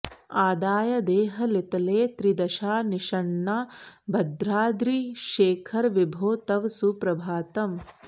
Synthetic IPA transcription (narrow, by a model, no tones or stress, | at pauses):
aːd̪aːjɐd̪eːɦɐlit̪ɐleːt̪ɾid̪ɐʃaːniʃɐɳːaːbɐd̪ɾaːd̪ɾiʃeːkʰɐɾʋibʱoːt̪ɐʋsupɾɐbʱaːt̪ɐm